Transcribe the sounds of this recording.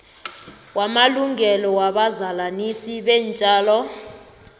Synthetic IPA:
wamaluŋʱɛlɔwaɓazalanisiɓɛnt͡ʃʼaːlɔ

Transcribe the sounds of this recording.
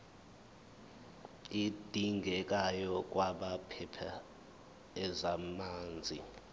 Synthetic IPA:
id̥ʱiŋɡʱɛk̬ʼajɔk̬ʼwaɓapʰɛpʰa | ɛzamaːnd͡zʱḭ

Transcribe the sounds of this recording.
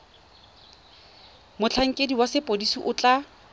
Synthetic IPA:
mʊt͡ɬʰaŋ̩kʼediwasɪpʼodisiʔʊt͡ɬʼa

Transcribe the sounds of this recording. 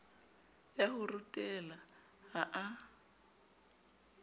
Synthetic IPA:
jahʊrutʼɛla | haʔa

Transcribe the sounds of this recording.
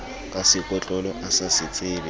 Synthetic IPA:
kʼasɪkʼwɛt͡ɬʼɔlɔʔasasɪt͡sʼɪːbɪ

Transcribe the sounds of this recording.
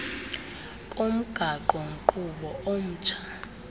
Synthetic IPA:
kʼom̩ɡ̥ʱaǃɔŋ̩ǃuɓɔʔom̩ːt͡ʃʰḁ

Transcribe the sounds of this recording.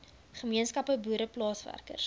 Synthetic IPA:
χəmiənskɐpəbuːɾəplɑːsvæ̰rkə̰rs

